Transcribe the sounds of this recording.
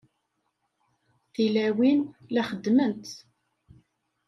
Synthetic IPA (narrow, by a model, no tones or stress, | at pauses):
θilæwinlæχəd̪mənt̪